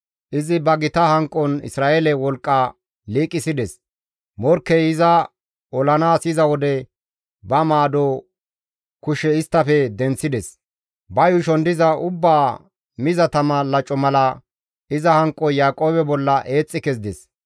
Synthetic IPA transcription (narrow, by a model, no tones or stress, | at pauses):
ʔɪzɪbɐɡɪt̪ɐhɐŋkʼːɔnɪ̰sɾaːʔeːlɛwɔlkʼːa | liːkʼːɪsɪd̪ɛs | mɔɾkːɛɪzɐ | ɔlɐnaːsɪzɐwɔd̪ɛ | bɐmaːd̪ɔ | kʊʃɛɪst̪ːɐfɛd̪ɛnt͡sːɪd̪ɛs | bɐjʊʃɔnd̪ɪzɐʔʊbːaː | mɪzɐt̪ɐmɐlɐt͡ʃʼːɔmɐlɐ | ɪzɐhɐŋkʼːɔjaːkʼo̞ːbɛbɔlːɐʔe̞ːt͡sʼːɪkɛsd̪ɛs